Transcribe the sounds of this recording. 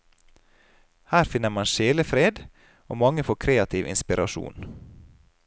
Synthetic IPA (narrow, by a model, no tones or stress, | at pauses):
hæːɾfɪnəmɑnʃeːləfɾeːd̪ | ʔo̰ːmɑŋəfoːkʰɾeːɑt̪ʰɪʋʔɪ̰nspɪɾʔɑʃṵːn